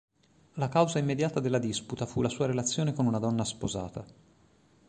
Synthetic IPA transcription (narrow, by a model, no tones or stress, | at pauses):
lakawzaimːed̪jaːt̪ad̪elːad̪isput̪afulːasuːaɾelat̪sːjoːnekonunad̪ɔnːaspo̰za̰ːt̪a